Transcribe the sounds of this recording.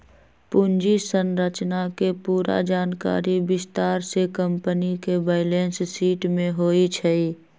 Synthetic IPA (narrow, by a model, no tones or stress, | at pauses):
pʊnd͡ʒisənɾət͡ʃnakepuːɾa̰d͡ʒaːnka̰ːɾibɪst̪aːɾsekə̃mpənikebəːɪlẽːnssiːʈmẽɦoːit͡ʃʰɛi